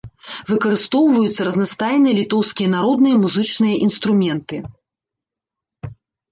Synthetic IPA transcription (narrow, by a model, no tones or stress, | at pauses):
vɨkɐɾɨst̪ɔwvɐjut̪sːɐɾɐznast̪ajnɨjlʲit̪ɔwskʲijɐnaɾɔd̪nɨjɐmuzɨt͡ʂnɨjɐʔinst̪ɾumʲɛnt̪ɨ